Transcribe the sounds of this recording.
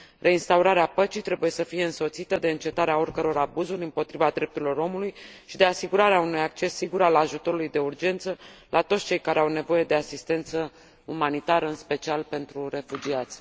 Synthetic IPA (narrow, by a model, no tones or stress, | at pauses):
rʔe̞inst̪auɾaɾeapət͡ʃijt̪ɾe̞buje̞səfije̞ɨnso̞t̪sit̪əd̪e̞ɨnt͡ʃe̞t̪aɾeao̞rkəɾo̞ɾabuzurʲɨmpo̞t̪ɾivad̪ɾe̞p̚t̪uɾilo̞ɾo̞mulujʃid̪e̞asiɡuɾaɾeaunujak̚t͡ʃe̞sːiɡuɾalaʒut̪o̞ɾulujd̪e̞urd͡ʒe̞nt̪səlʔat̪ot̪st͡ʃe̞jkaɾeawne̞vo̞je̞d̪e̞asist̪e̞nt̪sə | umanit̪aɾəɨnspe̞t͡ʃialpe̞nt̪ɾuɾe̞fud͡ʒiat̪sʲ